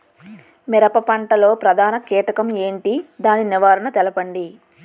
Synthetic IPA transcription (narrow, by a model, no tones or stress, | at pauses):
mɛɾɐpɐpɐɳʈɐlo̞ːpɾɐd̪ʱaːnɐkɛːʈɐkɐmeːɳʈid̪aːniniʋaːɾɐɳɐt̪ɛlɐpɐɳɖi